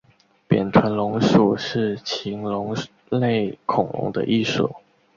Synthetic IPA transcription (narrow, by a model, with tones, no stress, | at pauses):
pjɛ̰˨˩nt̪ʰwə˧˥nlʊ˧˥ŋʂu˨˩ʂɻ̩˥˩t͡ɕʰi˧˥ŋlʊ˧˥ŋ | le˥˩ɪkʰʊ˨˩ŋlʊ̰˧˥ŋd̪ə̰˧ʔi˥˩ʂo̰˨˩˦